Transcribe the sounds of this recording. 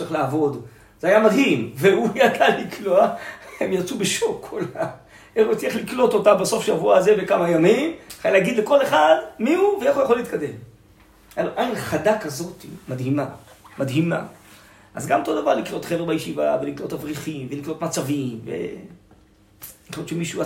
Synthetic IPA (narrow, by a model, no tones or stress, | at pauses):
iχlaːvo̞d̪ | zeajamad̪ɦimveujadalikloaemjat͡subeʃokʰːola | eχut͡sieχliklo̞t̪o̞tabeso̞fʃavuaze̞vekamajamimχajaleːɡid̪le̞ko̞leχad̪miuveeχujaχo̞liːt̪kad̪e̞m | aloʔajnχad̪akazo̞timad̪himamad̪ɦima̰ | ʔazɡamot̪o̞davaʁliklo̞t̪χevebajeʃivaveliklo̞tavʁiχimveliklo̞t̪mat͡savimvḛ | ilott͡ʃʃemiʃua